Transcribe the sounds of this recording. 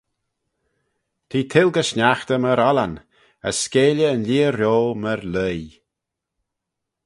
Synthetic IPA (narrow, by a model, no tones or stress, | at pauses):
t̪ʰiːt̪ʰɪlɡəʃnaxt̪əməɾɔlan | ə̰sːkeːlʲəːnliːəɾjoːməɾləj